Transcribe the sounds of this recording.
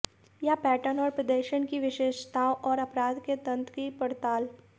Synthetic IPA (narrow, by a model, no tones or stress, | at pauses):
japɛːʈənɔːɾpɾɐd̪əːʃənkiʋɪʃeːʃt̪aːʔɔːɾɐpɾaːd̪ket̪ɐ̃nt̪kipɐɾt̪aːl